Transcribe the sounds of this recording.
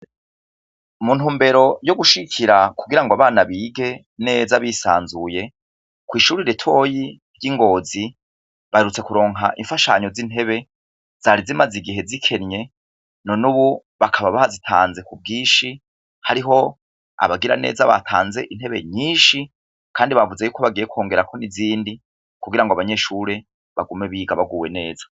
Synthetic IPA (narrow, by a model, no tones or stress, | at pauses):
mun̥uːmbe̞ɾo̞jo̞ɡuʃiɡikʰiɾakuɡiɾaŋɡoaβaːnaβiːɡe̞ | ne̞ːzaβisa̰ːnzuje̞ | kwiːʃuɾiɾetʰwojiɾɟiːŋɡo̞ːzi | βahe̞ɾut͡se̞kuɾo̞ːŋɦa̰ʔiɱfaʃa̰ɲo̞zin̥ɦe̞βe̞ | z̥aːɾizimaziɡiɦe̞zikʰe̞nɲe̞ | no̞nuβu | βakʰaβaβahazitʰa̰ːnze̞kub̚ɡiːʃi | haɾiɦo̞ | a̰βaɡiɾa̰ne̞̰ːzaβa̰tʰa̰ːnze̞ʔin̥he̞βe̞̰ɲiːʃi | kʰaːndiβavuzejuːkʰo̞βaɡijekwo̞ːŋɡe̞ɾakʰo̞niziːndi | kuɡiɾaŋɡoaβaɲe̞ːʃuɾe̞ | βaɡume̞βiːɡaβaɡuwe̞ne̞ːzḁ